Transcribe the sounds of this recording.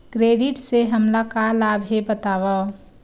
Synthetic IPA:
kɾeɖɪʈseɦəmlakalabʱɦebət̪aːʋa

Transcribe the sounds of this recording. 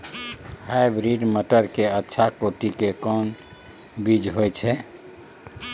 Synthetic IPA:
hajbɾiɖməʈəɾkeətːʃʰakoʈikekɔn | bid͡ʒɦojt͡ʃʰɛ

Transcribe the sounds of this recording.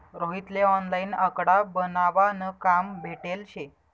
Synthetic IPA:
ɾoɦit̪leɔnlainəkɽabənaʋanəkambʱeʈelɕe

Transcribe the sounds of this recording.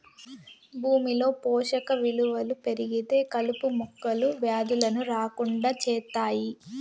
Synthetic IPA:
bʱuːmilo̞ːpɔːʂɐkɐʋiluʋɐlupe̞ɾiɡit̪e̞ːkɐlupumukːɐluʋjaːd̪ulɐnuɾaːkuɳɖaːt͡ʃɛːt̪ːaːji

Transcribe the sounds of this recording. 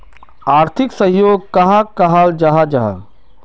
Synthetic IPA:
aːɾt̪ʰɪksɐɦjoːɡkɐɦakɐɦald͡ʒɐɦad͡ʒɐɦa̰

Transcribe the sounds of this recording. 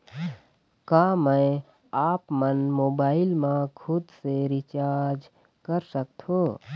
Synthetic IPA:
kaːmə̃j | aːpmənmoːbaːɪlmãkʰʊd̪seɾɪt͡ʃaːɾd͡ʒ | kəɾsək̚t̪ʰõː

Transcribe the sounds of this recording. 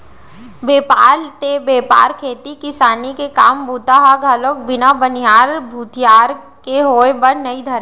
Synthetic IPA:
beːpaːlt̪ebeːpa̰ːɾkʰeːt̪ikɪsaːnikekaːmbuːt̪aɦaɡʱɐlok̚bɪnabənijaːɾbʱuːt̪jaːɾ | keɦoːebəɽnɐid̪ʱɐɾ

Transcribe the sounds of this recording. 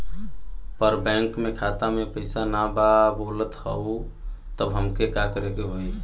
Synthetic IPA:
pəɾbɛ̃ŋkmekʰat̪amepəɪsanababolət̪həu | t̪əbɦəmkekakəɾekeɦoj̪

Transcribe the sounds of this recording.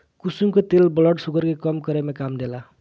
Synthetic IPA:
kusumkot̪elbʌlʌʈsukʌɾkekʌmkʌɾemekamd̪ela

